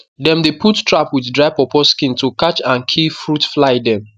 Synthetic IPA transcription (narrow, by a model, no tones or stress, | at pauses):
dɛ̃mdepʰuttɹapwiddɹaɪpɔpɔskĩntukat͡ʃãnkʰilfɹutflaɪdɛ̃m